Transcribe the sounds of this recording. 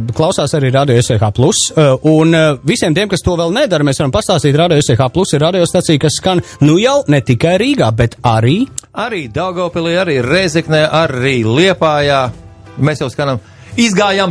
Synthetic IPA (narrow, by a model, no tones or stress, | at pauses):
klˠawsaːsaɾiːɾaːd̪ijɔesɛxaːplˠusunvisiɛmt̪iɛmkast̪uɔvɛlˠnɛd̪aɾmeːsʋaɾampast̪aːst̪iːt̪ɾaːd̪iɔesɛxaːplˠusːiɾaːd̪ijɔːst̪at̪sijkasskannujawnet̪ikajɾiːɡaːbet̪aɾiːaɾiːd̪awɡɔwpilˠijaɾiːɾɛjzɛknɛjʔaɾiːlˠiɛpaːjaː | mesjawskanam | izɡaːjam